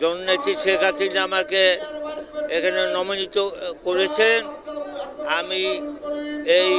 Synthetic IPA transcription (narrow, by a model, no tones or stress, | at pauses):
d͡ʒɔnonet̪ɾiʃekʰasinamaɾke | ekʰanenɔminit̪okoɾet͡ɕʰen | ami | ej